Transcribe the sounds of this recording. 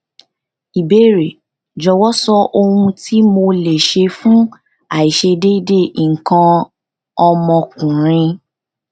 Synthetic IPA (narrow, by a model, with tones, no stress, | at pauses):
i˨be˦ɾe˨ | d͡ʒɔ˨˧wɔ˦sɔ˦ʔo˧hũ˧ti˦mo˧le˨ʃe˧fũ˦ | a˨i˨ʃe˧de˦de˦˨i˨ŋ̩˨kã˧ | ɔ˧mɔ̃˧kũ˨ɾ̃ĩ˧